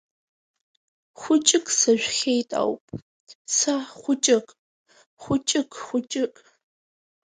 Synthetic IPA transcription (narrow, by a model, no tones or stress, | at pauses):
χʷʊt͡ʃʼɪkʼsɐʒᶣʷxejtʼa̰wpʼ | sɐχʷʊt͡ʃʼɪkʼ | χʷʊt͡ʃʼɪkʰʼxʷʊt͡ʃʼɪkʼ